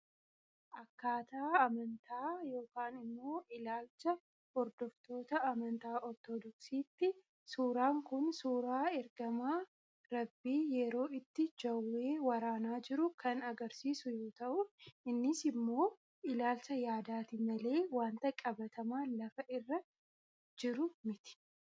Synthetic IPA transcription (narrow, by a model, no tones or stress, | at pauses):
ʔɐkːaːt̪aːɐmɐnt̪ʰaːjo̞ːkaːnɪmːo̞ːʔɪlaːlt͡ʃɐ | hɔɾd̪ɔft̪o̞ːt̪ɐɐmɐnt̪aːʔɔɾt̪ɔd̪ɔksiːt̪ːɪ | suːɾaːŋkʊnsuːɾaːɛɾɡɐmaː | ɾɐbːiːjɛɾo̞ːɪt̪ːɪd͡ʒɐwːe̞ːwɐɾaːnaːd͡ʒɪɾʊkʰɐnɐɡɐɾsiːsʊjoːt̪ɐʔʊɪnːɪsɪmːo̞ː | ɪlaːlsɐjaːd̪aːt̪ɪmɐle̞ːwaːnt̪ɐkʼɐbɐt̪ʰɐmaːlɐfɐʔɪrːɐ | d͡ʒɪɾʊmɪt̪ɪ̥